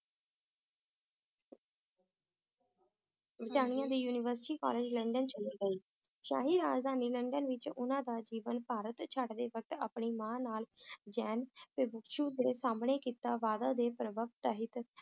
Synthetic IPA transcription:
ʋɪt͡ʃ̪aːɽɪjãːd̪iːjuːnɪʋəɾsʈiːkɔ̰ːleːd͡ʒləɳɖənt͡ʃəliːɡəiː | ʃa̰ːɦiːɾaːzaːniːləɳɖənʋɪt͡ʃʊ̰nãːd̪aːd͡ʒiːʋənpaːɾət̪t͡ʃʰaɖd̪eːʋək̚t̪a̰ːpɳiːmãːnaːld͡ʒɛːnpɪbʊkʃuːd̪eːsaːmɳ̃eːkiːt̪aːʋaːd̪aːd̪eːpəɾəʋəpt̪aɦɪt̪

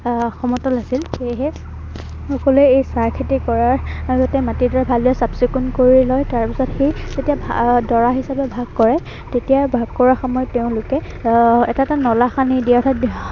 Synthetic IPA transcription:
xɔmɔtɔlasilxeɦɛ | xɔkɔluɛjejsaɹkʰitikɔɹaɹaɡɔtɛmatidɔɹabʱaliɔsabsikunkoɹilɔjtaɹpisɔtxez̥etijabʱdɔɹaɦisapɛbʱaɡ̚kɔɹɛ | tetijabʱaɡ̚kɔɹaxɔmɔjteʊ̃lʊkɛ | ɛtatanɔlaxanidiaɔtʰat

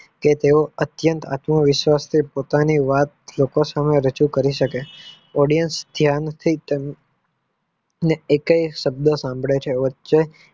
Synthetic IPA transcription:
ket̪eoət̪jənt̪a̰t̪məʋɪʃʋast̪ʰipot̪aniʋat̪lokosameɾəd͡ʒukəɾiʃəke | ɔɽijənsd̪ʱjant̪ʰit̪e | neːkəiʃəb̚d̪əsãmbʱɭet͡ʃʰeʋətːʃe

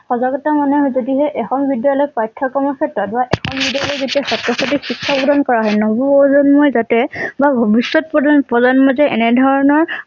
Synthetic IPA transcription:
xɔzaɡɔtamanɛɦɔjzodiɦɛʔɛxɔmbidijalɔjpajtʰːakɔmɔkʰetɔt̚baʔɛxʰɔmbidialɔjzetiaxɔtːɔsɔtixikʰːapɔdankɔɹaɦɔjnɔbɔozɔnmɔjzatɛbabʱɔbisːɔt̚pɔdpɹɔdanmɔzɛʔɛ̰nɛdʱɔɹɔnɔɹ

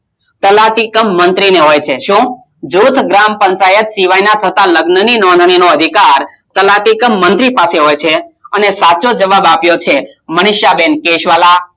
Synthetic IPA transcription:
t̪əlaʈikəmːənt̪ɾineɦojt͡ʃʰeʃũ | d͡ʒut̪ʰɡɾampəɲt͡ʃajət̪siʋajnat̪ʰət̪aləɡnəninɔnd̪ʱninoəd̪ʱikaɾ | t̪əlaʈikəmːənt̪ɾipaseɦojt͡ʃʰeənesat͡ʃod͡ʒəʋabapjot͡ʃʰeməɽ̃ɪʃjabenkeʃʋala

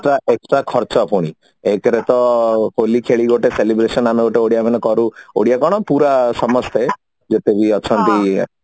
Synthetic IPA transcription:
ʈɾaʔeksʈɾakʰɔɾt͡ʃɔpʰuɽ̃i | ekɾet̪ɔholikʰeɭiɡoʈeselibɾesɔnameɡoʈeoɽijamɛnɔkɔɾuo̰ɽijakɔɽ̃ɔpuɾasɔmɔst̪e | d͡ʒet̪ebiɔt͡ʃʰɔnt̪i

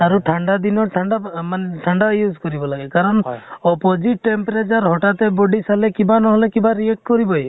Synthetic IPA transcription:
aɾuʈʰaɳɖad̪inɔʈʰaɳɖamaneʈʰaɳɖajuzkɔɾibɔlaɡekaɾɔnɔpɔd͡ʒiʈːempɾet͡ʃɔɾɦɔʈat̪ebɔɖisalekibanɔɦɔlekibaɾiek̚ʈkɔɾibɔj

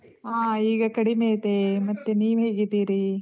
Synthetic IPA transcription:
aːiːɡɐkɐɽimeːt̪emɐt̪ːuniːʋɦeːɡid̪iːɾi

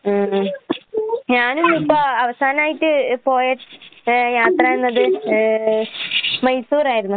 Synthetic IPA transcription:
aː | ɲaːnumipːoɐʋɐsaːnɐmaːjitːɨpo̞ːjeʈjaːt̪raenːɐðɨ | mɐjsuːɾaːjiɾunːu

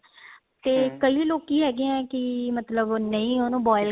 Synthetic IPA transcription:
t̪eːkəiːloːkiːɦɛːɡeɛ̃ːkɪmət̪ləbnəĩːonõːbɔːɪl

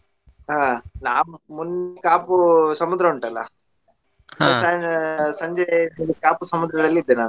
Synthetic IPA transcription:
ɦaːnaːmmunːikaːpusɐmud̪ɾɐuɳʈɐlːɐ̰ | sɐsɐɲd͡ʒeilikaːpusɐmud̪ɾɐd̪ɐlːiːd̪ːenaːnu

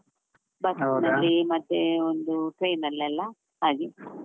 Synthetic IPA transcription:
bɐsnɐlːimɐt̪ːeond̪uʈɾɐjnɐlːɛlːɐ | aːɡi

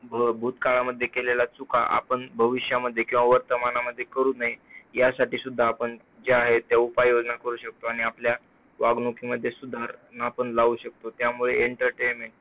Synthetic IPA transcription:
bʱəbʱuːt̪kaɭaməd̪ʱːjekelelat͡suka̰ʔa̰pəɳbʱəʋiɕjaməd̪ʱːjekĩw̃aʋəɾt̪əmanaməd̪ʱːjekəɾuːnaɦijasaʈiːsud̪ʱːaːpəɳ | d͡ʑeaɦet̪ːjaupajːod͡znakəɾuːɕək̚t̪oaɽ̃iaplja | ʋaɡnokʰiməd̪ʱːjesud̪ʱaɾnaːpəɳlauɕək̚t̪ot̪jamuɭeeɳʈəɾʈenmeɳʈ

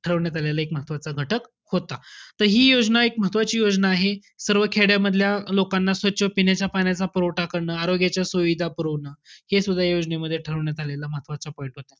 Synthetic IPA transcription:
ʈʰəɾəʋɳjat̪ʰaljalaekməɦət̪ʋat͡saɡʱəʈək | hot̪at̪əɾɦiːjod͡znaek̚məɦət̪ʋat͡ɕiːjod͡znaːɦe | səɾʋəkʰeɽjaməd̪ʱljalokanːasʋətːɕʰəpinjat͡ɕjapanjat͡sapɾoʋʈakəɾɳəːaɾoɡjat͡ɕjasʋəʋid̪ʱapəɾəʋɳəːhesud̪ʱːajod͡ʑneməd̪ʱːjeʈʰəɾəʋɳjat̪ʰaljalaməɦət̪ʋat͡sapɔj̃ɳʈɦot̪a

